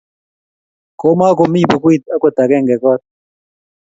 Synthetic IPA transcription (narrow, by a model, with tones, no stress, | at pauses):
koː˦maː˦komiːbɐ˨ku˦it̪̚ɐ˦kot̪a˨ɡe˦ŋɡe˨ko˦t̪̚